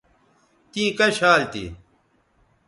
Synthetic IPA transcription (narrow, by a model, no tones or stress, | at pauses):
t̪iːkɐɕaːlt̪ḭ